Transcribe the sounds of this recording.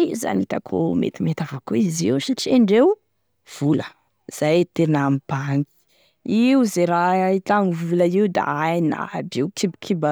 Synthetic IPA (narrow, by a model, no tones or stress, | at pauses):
za̰nit̪akʰṵmḛt̪imet̪avakuiziwsaʈ͡ʂiaɳɖ͡ʐew | v̥ulə | z̥ajt̪eɾnamib̥aŋɡi̥ | iuzeɾait̪aŋivuləiud̪a̰ajna̰biwkʰibikʰiba